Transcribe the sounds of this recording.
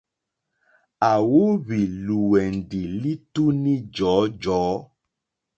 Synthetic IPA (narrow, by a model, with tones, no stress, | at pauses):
a˨wo˦βi˨lu˨wɛ˨n˨di˨li˦tu˦nĩ˦d͡ʒɔː˨˦d͡ʒɔː˨˦